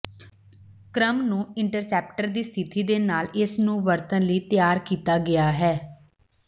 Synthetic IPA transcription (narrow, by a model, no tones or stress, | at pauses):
kɾəmnũːɪɳʈəɾsɛːp̚ʈəɾd̪iːst̪ʰɪt̪iːd̪eːnaːlɪsnũːʋəɾt̪ənləiːt̪jaːɾkiːt̪aːɡɪaːɦɛː